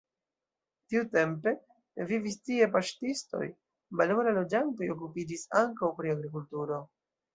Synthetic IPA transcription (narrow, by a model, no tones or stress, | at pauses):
tiute̞mpe̞ | vivistie̞paʃtisto̞̰j | balowlalo̞d͡ʒanto̞jo̞k̬upid͡ʒisaŋkawpɾiaɡɾikultuɾo̞